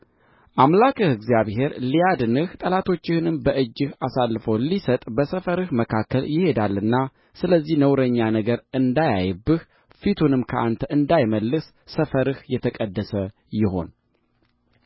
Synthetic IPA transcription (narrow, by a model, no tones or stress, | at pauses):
ʔamlakɨhɨɡzjaβhe̞ɾlijad̪ɨnɨht̪ʼəlat̪ʰo̞t͡ʃːɪhɨnɨmbəʔɨd͡ʒːɪhasalːɨfowlisət̪ʼbəsəfəɾɨhməkʰakːəljɪhe̞d̪alːɨnːa | sɨləzːihnəwɾəɲːanəɡəɾɨnd̪ajajbːɨh | fit̪ʰunɨmkʰəʔant̪ʰəɨnd̪ajməlːɨsːəfəɾɨhjɛt̪ʰəkʼəd̪ːəsə | jɪɦo̞̰n